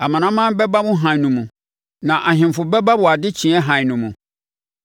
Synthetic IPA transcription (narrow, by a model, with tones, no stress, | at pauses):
a˨mã˨nã˦mã˦mbɛ˦ba˦mʊ̃˦ɦã˨nũ˨mũ˨ | nã˨ʔa˨ɦɪ̃˨m˨fʊ˨bɛ˦ba˦bʊ˨a˨dɪ˦t͡ɕʰĩ˨˦ɛ˦ɦã˨nũ˨mũ˨